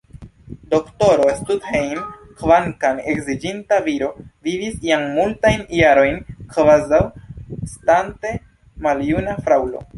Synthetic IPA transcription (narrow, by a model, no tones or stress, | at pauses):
do̞kto̞ɾo̞estudhejmkvaŋkanekzid͡ʒintaviɾo̞vivisiaŋmultajnjaɾo̞jnkvazawstante̞ | maljunafɾawlo̞̰